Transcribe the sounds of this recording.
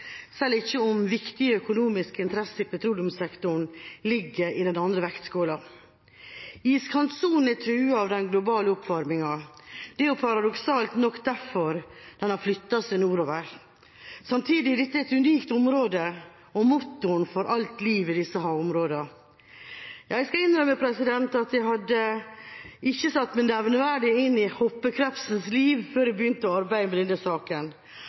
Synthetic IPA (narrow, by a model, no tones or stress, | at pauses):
sɛlːɪçːəʊmʋɪkt̪ɪəœkʊnuːmɪskɪnt̪ʰɾɛsəɪpʰɛt̪ʰɾuːljʊmsɛkt̪ʊɳlɪɡːəɾɪd̪ɛnɑnd̪ɾəʋɛkt̪skoːlɑ | iːskʰɑnt̪suːnn̩ɛt̪ʰɾʉːəɑʋd̪ɛnɡlʊbɑːləʊpfɔɾmɪŋɑd̪̥ɛjʊpʰɑɾɑd̪ɔksɑːlt̪nɔkːd̪æɾfɔɾd̪̥ɛnhɑɾflʏt̪ːɑsɪnuːɾoːʋəɾ | sɑmt̪ʰiːd̪ɪlɪt̪ːɛɛt̪ʉniːkt̪ʊmɾoːd̪ə | ɔmʊt̪ːʊɳfɔɾʔɑlt̪liːʋɪd̪ɪsːəɦɑːʊmɾoːd̪ɑ | jæɪskɑɪnːɾœmːəpʰɾɛsɪd̪ɛnt̪ɑt̪jæɪhɑd̪ːə | ɪçːəsɑt̪ːmɪnnɛʋnəʋæɖɪɪnːɪhɔpːəkʰɾɛfsənsliːʋføːɾɛbəjʏnt̪əɔɑɾbæɪəmɛd̪ɛnːəsɑːkən